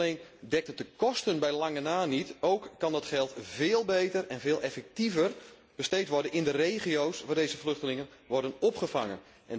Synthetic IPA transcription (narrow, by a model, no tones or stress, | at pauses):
lejndɛk̚tət̚dəkɔstənbɛjlɑŋənaːnitowkːɑndɑtχɛlˠtvɪːlˠbejtərɛnvɪːlˠʔɛfɛk̚tivər | b̥əstejtʋɔrdənɪndərejχiowsʋaːrdejzəflʏxtəlɪŋənʋɔrdənɔpχəvaŋən | ʔɛ̰n